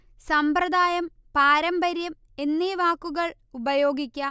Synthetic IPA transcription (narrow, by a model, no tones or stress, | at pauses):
sɐmprɐd̪aːjɐm | paːɾɐmbɐɾjɐm | e̞nːiʋaːkːuɣɐɭ | ubɐjo̞ːɡikʲːɐ